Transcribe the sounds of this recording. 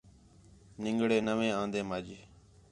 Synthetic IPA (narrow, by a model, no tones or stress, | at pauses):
nɪŋɡɽeːnəʋẽːãːnd̪ẽːmaːd͡ʒeː